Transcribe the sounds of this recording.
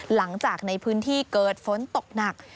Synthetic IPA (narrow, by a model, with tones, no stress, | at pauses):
la˩˦ŋt͡ɕaː˨˩k̚na˧jpʰɯː˦˥nt̪ʰiː˥˩kɤː˨˩t̪̚fo˨˩˦nt̪o˨˩k̚na˨˩k̚